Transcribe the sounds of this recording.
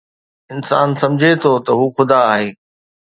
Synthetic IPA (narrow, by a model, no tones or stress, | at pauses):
ɪnsa̰ːnsɐ̃md͡ʑʱet̪ʰot̪ɐɦuːxʊd̪aːɦeː